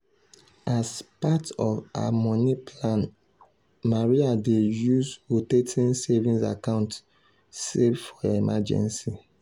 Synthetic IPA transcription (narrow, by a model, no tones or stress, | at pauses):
azpatɔva̰mɔnipʰlãn | maɹiadejuzotetĩnsɛvĩnsa̰kãʊ̃nt | sevfɔemad͡ʒɛ̰̃nsi